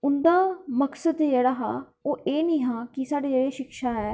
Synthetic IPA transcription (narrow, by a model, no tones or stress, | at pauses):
ʊnd̪aːməksəd̪d͡ʒeːɽaːɦaː | oːʔeːnĩːɦãːkɪsaːɽeːd͡ʒeːɽeːʃɪkʃaːɦɛː